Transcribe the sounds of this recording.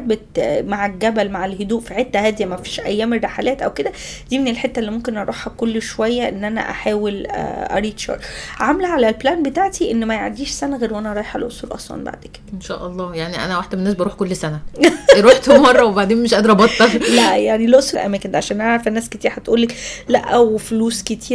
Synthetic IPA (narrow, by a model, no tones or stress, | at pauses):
bet̪maʕeɡæbælmaʕelhod̪uːʔfiħet̪ːæhæːd̪ijæmæfiːʃʔæjːæːmerːɑħalæːt̪ʔæwked̪æ | d̪iːminelħet̪ːæelːimomkenʔɑɾˤuħhækolːʃowæjːæʔenːʔænæ̰ʔa̰ħaːwel̰ʔæ̰ɾiːt̪ʃɑ̰ːɾˤʕamlæʕalælblæːnbet̪aʕt̪iʔenːmæjaʕd̪iːʃsænæɣeːɾwʔænæʔɑɾˤɑːjeħælʔosˤuːlʔɑ̰sˤlɑ̰ːnba̰ʕd̪eked̥̪enʃæ̰ːʔɑlˤːɑːjaʕniʔæ̰næwaħd̪æmenːæːs̬bɑɾuːħkolːsænæɾuːħt̪umɑrˤːɑwebaʕd̪eːnmeʃʔæd̪ɑɾˤʔɑbɑt̪ˤːɑlæʔjaʕnilʔosˤulʔæ̰mæːkend̪ʕaʃæːnæʕɾˤfænːæːsket̪iːɾhæt̪ʔuːlːeklæʔæwfluːsket̪ʰiːɾ